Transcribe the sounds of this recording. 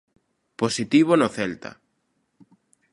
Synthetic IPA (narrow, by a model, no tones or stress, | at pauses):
posit̪iβonoθɛlt̪a̰